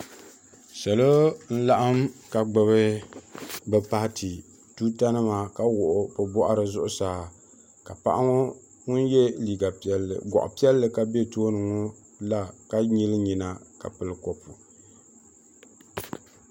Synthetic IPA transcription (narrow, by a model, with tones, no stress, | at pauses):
sa˨lo˦n̩˦la˦ʔa˦mka˨ɡ͡bɨ˨βɨ˦ | bɛ˦pa˦htʰi˨ | tuː˦ta˦nɨ˦maː˨ka˦wʊ˨ʔʊ˨pɨ˨bɔ˦ʔa˦ɾɨ˨zʊ˦ʔʊ˦saː˨˦ | ka˨pa˦ʔa˦ŋo˦ | ŋʊ˦njɛ˦liː˨ɡa˨pi˨ɛ˦lːɨ̰˨ɡʷɔ̰˨ʔʊ̰˨pi˦ɛ˦lːɨ˨ka˦be˦toː˦nɨ˨ŋo˦ | la˦ka˦ɲi˦lɨ˦ɲi˨na˨ka̰˨pɨ˨lɨ˨kɔ˦pu˨